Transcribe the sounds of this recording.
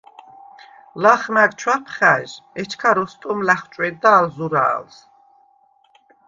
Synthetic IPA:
laχnaɾt͡ʃʰwapʰχæːʒɛt͡ʃʰkʰaɾɔst̪ʼɔmlaχt͡ʃʼwɛd̪̚d̪aːlzuɾa̰ːls

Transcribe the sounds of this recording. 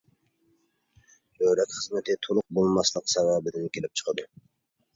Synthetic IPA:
øɾɛk̪χəzmɨt̪ʰɪt̪ʰolˠʊq̚bolˠmɑslˠəqsɛwɑːbɪd̪ɪnkʲʰelɪp̚t͡ʃʰə̥qʰəd̪u

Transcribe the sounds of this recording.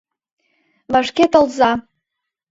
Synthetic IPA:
vaʂkʲetʰalza

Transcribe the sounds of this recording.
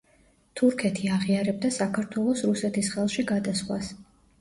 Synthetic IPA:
t̪ʰuɾkʰɛt̪ʰiaʁiaɾɛb̚d̪asakʰaɾt̪ʰwɛlˠɔsɾusɛt̪ʰisχɛlˠʃiɡad̪asχwas

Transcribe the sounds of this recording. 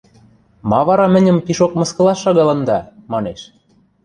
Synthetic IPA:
mɑβɑɾɑmɘ̆nʲɘ̆mpiʃokmɤ̆skɤ̆lɑʃːɑɣɑlɤ̆nd̪ɑmɑneʃ

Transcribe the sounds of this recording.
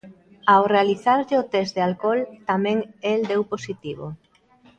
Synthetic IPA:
awrealiθaɾʎɪot̪ɛzd̪ealkɔlt̪amɛ̃ŋeld̪ewposit̪iβ̞o̰

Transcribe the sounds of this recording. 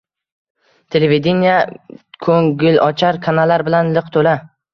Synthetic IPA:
t̪ʰe̞leved̪enijakʰɵŋɡɪlɒt͡ʃʰaɾkʰanalːaɾbɪlanlɨqt̪ʰola

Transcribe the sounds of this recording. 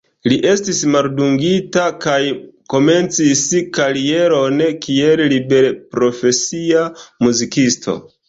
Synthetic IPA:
liʔe̞stismalduŋɡitakajko̞me̞nt͡siskaɾie̞ɾo̞nkiellibe̞ɾpɾo̞fe̞siamuzikistʰo̞̰

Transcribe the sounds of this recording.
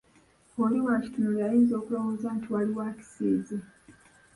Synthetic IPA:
oliwaci̥tunoljajiːnzo̞ːkulowozantiwaliwaci̥siːzi

